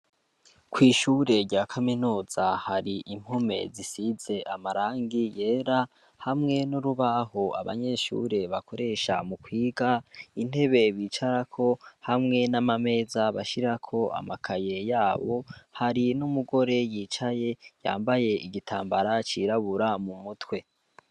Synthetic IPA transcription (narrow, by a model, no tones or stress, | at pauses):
kwiːʃuɾe̞ɾɟaːkʰaminuːz̥ahaɾiʔim̥home̞̰zisiz̥e̞ʔamaɾaːŋɡije̞ːɾa | hamŋe̞nuɾuβahoa̰βa̰ɲe̞ʃṵɾe̞βakʰo̞ɾe̞ːʃa̰mukwiːɡain̥e̞βe̞βiːt͡ʃaɾakʰo̞hamŋe̞namame̞ːzaβaʃiɾakʰo̞ʔa̰makʰaje̞jaːβo̞haɾinumuɡo̞ɾe̞jiːt͡ʃaje̞ja̰ːmbaje̞iɡitʰaːmbaɾat͡ʃiɾaβuɾamumutwe̞